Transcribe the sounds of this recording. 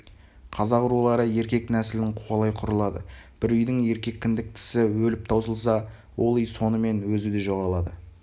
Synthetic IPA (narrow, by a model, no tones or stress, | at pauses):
qʰɑzɑqʊɾulˠɑɾəje̞ɾkʲe̞knæsɪlɪnɪŋqʰoɑlˠɑjqʰʊɾəlˠɑd̪əb̥ɪɾʏjd̪ɪŋe̞ɾkʲe̞kʲːɪnd̪ɪk̚t̪ʰɪ̥sɪwɵlɪp̚t̪ʰɑwsəlˠsɑ | wo̞lˠijso̞nəme̞nwɵzɪd̪e̞ʒo̞ʁɑlˠɑd̪ə